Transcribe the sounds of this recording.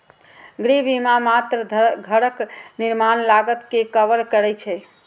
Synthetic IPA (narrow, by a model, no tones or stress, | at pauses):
ɡɾibimamat̪ɾəɡʱəɾəkniɾmanlaɡət̪kekəʋəɾkəɾɛt͡ʃʰɛ